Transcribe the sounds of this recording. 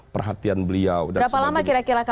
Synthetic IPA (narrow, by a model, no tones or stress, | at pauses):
pərɦat̪ianbəliawdaɾapalamakiɾakiɾaka